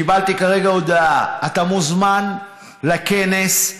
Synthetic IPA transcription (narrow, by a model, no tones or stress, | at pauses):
ibalt̪ikaʁe̞ɡaod̪aaat̪amuzman | lakene̞s